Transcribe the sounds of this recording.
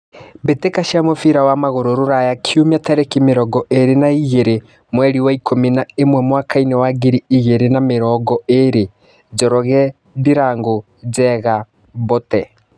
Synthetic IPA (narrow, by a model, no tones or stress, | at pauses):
betekaʃiamofiɾawamaɣoɾoɾoɾajakʰiumiataɾekimeɾɔɡɔʔeɾenaiɣeɾe | mwɛɾiwaikʰominaemwɛmwakʰainɛwaɡiɾiiɣeɾenameɾɔːɡɔeɾe | d͡ʒɔɾɔɣɛ | ðiɾaːŋɡo | d͡ʒɛɣa | βotɛ